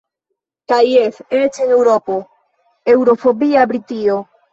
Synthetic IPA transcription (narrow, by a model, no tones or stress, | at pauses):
kajefeet͡ʃene̞wɾopo | e̞wɾo̞fo̞biabɾitio̞